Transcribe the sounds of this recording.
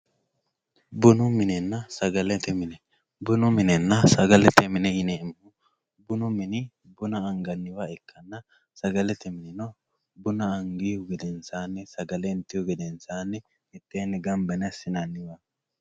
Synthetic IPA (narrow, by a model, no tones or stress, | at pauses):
bʊnʊmɪnɛnːɐsɐɡɐlɛt̪ɛmɪnɛ | bʊnʊmɪnɛnːɐsɐɡɐlɛt̪ɛmɪnɛɪnɛɪmːʊ | bʊnʊmɪnɪ | bʊnɐːŋɡɐnːɪwaɛkʰːɐnːɐ | sɐɡɐlɛt̪ɛmɪnɪnɔ | bʊnɐɐŋɡɪjʊɡɛd̪ɛnsaːnːɛsɐɡɐlɛɪnt̪ːɪjʊɡɛd̪ɛnsaːnːɛ | ɛt̪ːeːnːɛɡɐmbɐnɛɐsɪnanːɪwa